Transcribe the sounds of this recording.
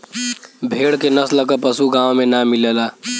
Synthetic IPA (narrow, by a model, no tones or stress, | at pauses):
bʱeːɽkenəsləkəpəsuɡãːõmẽnamɪlelaː